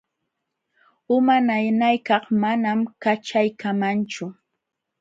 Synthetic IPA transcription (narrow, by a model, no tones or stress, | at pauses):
ʊmanajnajkɑχmanamkat͡ʃajkamant͡ʃʊ